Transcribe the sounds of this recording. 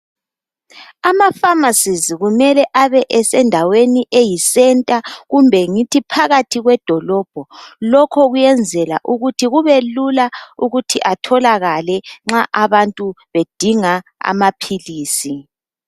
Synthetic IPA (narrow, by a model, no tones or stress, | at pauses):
amafamasiziɣumɛlɛʔaβɛʔɛsɛndʱaweniʔejisɛntʼaɣumbʱɛŋitʰipʰaɣatʰiɣwɛd̥ʱɔlɔːb̥ʱɔlɔkʰɔɣujɛnd͡zʱɛla̰ʔuɣutʰiɣuβelulauɣutʰiʔatʰɔlaɣalɛŋ͡ǁaʔaβantʼuβed̥ʱiŋaa̰mapʰiliːsi